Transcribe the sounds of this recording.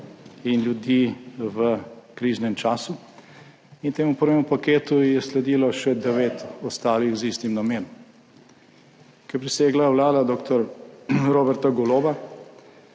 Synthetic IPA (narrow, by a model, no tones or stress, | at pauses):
inljud̪iːʋəkɾiːʒnɛmt͡ʃaːsu | int̪eːmupəɾʋemupakeːt̪ujɛslɛd̪iːlɔʃɛd̪ɛʋeːt̪ɔst̪aːlixziːst̪imnameːnɔm | kɛpɾiseːɡlawlaːd̪ad̪oːkt̪ɔɾɾoːbɛɾt̪aɡɔloːba